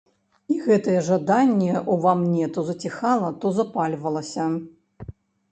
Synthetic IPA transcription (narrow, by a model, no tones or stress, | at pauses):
iɣɛt̪ɐjɛʐad̪anʲːɛʔuvamnʲɛt̪ɔzɐt͡sʲixalˠɐt̪ɔzapalʲvɐlˠɐsʲɐ